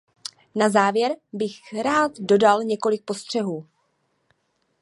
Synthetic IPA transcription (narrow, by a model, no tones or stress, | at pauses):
nazaːvjɛɾbɪxɾaːt̪do̞dalɲɛko̞lɪk̚po̞st̪r̝̥ɛɦuː